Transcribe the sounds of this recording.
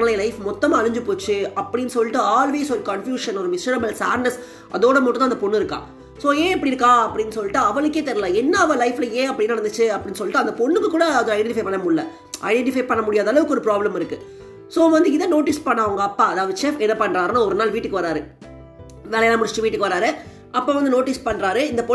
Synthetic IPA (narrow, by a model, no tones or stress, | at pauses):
ɐlɐɪlɐɪfmɔt̪ːɐmaːɐɭɯɲd͡ʒɯpoːt͡ʃːɯɐpːɐɽɪnːɯsɔlːɪʈːɯaːlʋeːsɔɾɯkɐɳfjuːʂɐnɔɾɯmɪsɐɾɐbɐlsaːɾnɐs | ʔɐðoːɽɐmɐʈːʊ̃nt̪aːnd̪ɐpɔɳːɯɪɾɯkːã̰ː | soːẽːɛpːɐɽɪiɪɾɯkːãːɐpːɐɽɪnːɯsɔlːɪʈːɯɐʋɐɭɯk̬ːeːt̪ɛɾɪlãːɛnːɐɐʋɐlɐɪflɐẽːɐpːɐɽɪnːɐɽɐnd̪ɯt͡ʃːɯɐpːɐɽɪnːsɔlːɪʈːɯɐnd̪ɐpɔɳːɯkːɯkːuːɽɐːðɐ̃ɐɪɖɛɛ̃ɳʈɪfɐɪpɐɳːɐmʊɽːɐ | ʔɐ̰ɪɖɛɳʈɪfɐɪpɐɳːɐmʊɽɪjaːðɐlɐʋɯkːɯɔɾɯpɾaːblɐmɪɾɯkːɯ | soːʋɐnd̪ɯɪðɐnoːʈɪspɐɳːɐːʋɐŋɡɐːpːaːɐðaːʋɐðɯʃɛfɛnːɐpɐɳːɾaːɾnãɔɾɯnaːlʋiːʈːɯkːɯʋɐɾaːɾɯ | nɐlɐjɛlãːmʊɽɪt͡ʃːɪt͡ʃːɯʋiːʈːɯkːɯʋɐɾaːɾɯ | ʔɐpːoːʋɐnd̪ɯnoːʈɪspɐɳːɾaːɾɯɪnd̪ɐpɔ